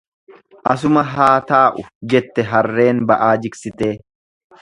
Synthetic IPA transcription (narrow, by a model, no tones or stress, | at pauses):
ʔɐs̬ʊmɐɦaːt̪aːʔʊd͡ʒɛt̪ːɛɦɐrːe̞ːnbɐʔaːd͡ʒɪksɪt̪e̞ː